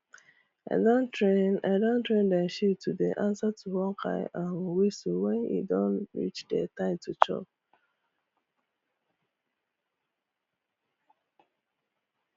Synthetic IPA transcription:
aɪdõntɹẽna̰ɪdõntɹẽndaʃitʰudeʔãnsatʰuwɔ̃kʰa̰ɪʔãnwisuwɛ̃nḭdɔ̃nɹḭt͡ʃdɛtãɪ̃mtʰut͡ʃɔ̰p̚

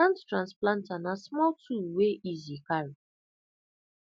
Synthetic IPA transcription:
ãnttɹãnsplãntanasmɔltʰuweʔizikaɹi

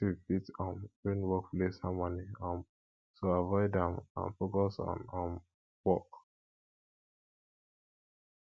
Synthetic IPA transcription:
tibitɔ̃nĩnwɔk̚plesamaniãn | soavɔɪdɛ̃mã̰nfokɔsɔ̰̃nɔ̃n | wɔk

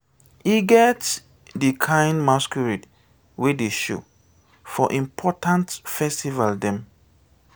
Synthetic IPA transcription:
iɡɛt | dikʰãj̃ndmaskɔɹid | wedeʃo̰ | fɔʔĩmpʰɔtãntfɛstivaldɛ̃m

